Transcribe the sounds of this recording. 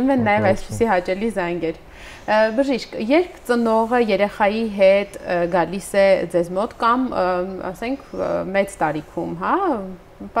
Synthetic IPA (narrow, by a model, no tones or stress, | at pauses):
umɛnnːɑjɛvɑjspəsiɦɑt͡ʃɛlizɑjŋɡɛɾ | bəʒiʃkjɛɾkʰt͡sənɔʁəjɛɾɛχɑjiɦɛt̪ɡɑlisɛd͡zɛzmɔt̪kɑmɑ̰sɛŋkʰmɛt͡st̪ɑɾikʰumɦɑ | p